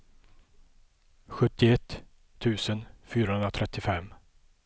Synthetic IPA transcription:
ɧɵt̪ːɪɛt̪ʰː | ʉ̟ːsənfyːɾahɵnd̪ɾat̪ʰɾɛt̪ːɪfɛmː

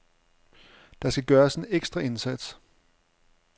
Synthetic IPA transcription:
d̥ɑ̈sɡ̥æɡ̥ɶːɐse̝neɡ̥sd̥ʁɐe̝nsæd̥s

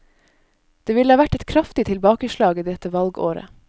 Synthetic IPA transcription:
d̪̥eːʋɪlhɑːʋæʈɛt̪kʰɾɑft̪ɪt̪ʰɪlbɑːkəʃlɑːɡiːd̪ɛt̪əʋɑlɡo̰ːɾə̰

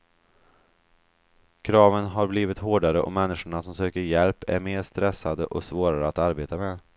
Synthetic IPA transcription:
kʰɾɑːvənɦaɾbliːvɪt̪ɦoːɖaɾəʔɔ̰mɛnːɪʂʊɳasɔmsøːkəɾjɛlpæ̰ɾmeːɾʂt̪ɾɛsːad̪əʔɔsvoːɾaɾəat̪aɾbeːt̪ameː

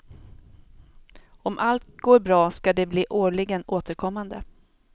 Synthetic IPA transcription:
ɔmʔalt̪̚ɡoːɾbɾɑːskad̪ɛbliːʔoːɭɪɡənoːt̪ʰəɾkʰɔmːand̪ə̰

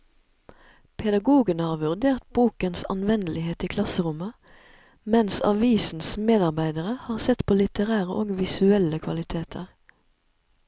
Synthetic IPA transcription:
pʰɛd̪ɑɡuːɡənhɑːʁʋʉʁd̪eːʁt̪̚buːkənsɑ̰nʋɛnəlɪheːt̪iːkʰlɑsəʁʊmə | mɛnsɑ̰ʋiːsn̩smeːd̪ɑʁbæɪd̪əʁəhɑːʁsɛt̪pʰoːlɪt̪əʁæːʁəʔoːɡʋɪsʉɛləkʰʋɑlɪt̪ʰeːt̪ʰəʁ

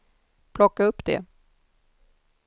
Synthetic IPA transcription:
pʰlɔkːaɵpːd̪̥ɛ̰

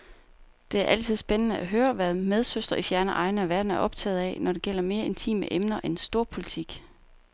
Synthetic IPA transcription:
d̥e̝æɐʔæl̰t͡sʰið̞̰ˠsb̥enənəʔæɦøːɐʋæðˠmeð̞ˠsøsd̥ʁɐʔifjæɐnəʔɑ̈ɪnəæʋæɐd̥n̩æɐʔɒ̽b̥t͡sʰɛ̰ːð̞̩ˠɛ̰nɒdɾe̝ɡ̥el̰ɐme̝ːɐe̝nt͡sʰḭːmə̰ʔemnɐʔensd̥o̝ɐ̰pʰo̝lit͡sʰiɡ̥

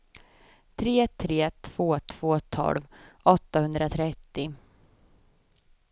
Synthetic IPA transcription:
t̪ʰɾeːt̪ʰːɾeːt̪ʰv̥oːt̪ʰv̥oːt̪ʰɔ̰lvɔt̪ːahɵnd̪ɾat̪ʰɾɛt̪ːɪ

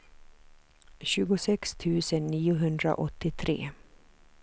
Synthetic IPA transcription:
ɕʉ̟ːɡʊsɛkst̪ʰʉ̟ːsənːiːʊɦɵnd̪ɾa̰ʔɔt̪ːɪt̪ʰɾḛː

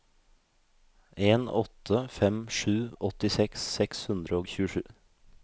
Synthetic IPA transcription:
eːnɔ̰t̪ʰəfɛmʃʉːɔt̪ɪsɛkssɛkshʉnd̪ɾəoːçʉːəʃʉː

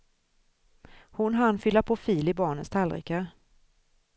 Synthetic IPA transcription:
hʊnɦanfʏlːapʰofiːlɪbɑːɳənst̪ʰalɾɪ̰ka

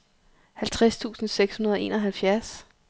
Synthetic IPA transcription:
hælt͡sʰʁast͡sʰṵːsn̩seɡ̥shunɐð̞ˠɒe̝̰ːnɒɦælfjæɐs

